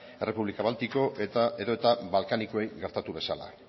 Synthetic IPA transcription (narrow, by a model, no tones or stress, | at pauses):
e̞re̞puβlikaβalt̪iko̞ʔeeðo̞e̞t̪aβalkanikoejɣe̞ɾt̪at̪uβe̞sala̰